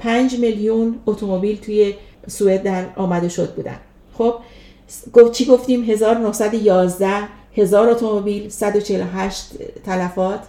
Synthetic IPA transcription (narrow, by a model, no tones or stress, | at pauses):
pʰænd͡ʒmeljunot̪ʰo̞mo̞biːlt̪ʰuːje̞ | sue̞d̪̚d̪æɾɒːmæd̪e̞ʃo̞d̪̚buːd̪æ̰n | xob̥̚ | ɡot͡ʃʰiɡo̞ft̪iːmɦe̞zɒːɾnohsæd̪ojɒːzd̪æh | he̞zɒːɾo̞t̪ʰo̞mobiːlsæd̪o̞t͡ʃʰeeloɦæʃt̪ːʰælæfɒːt̪ʰ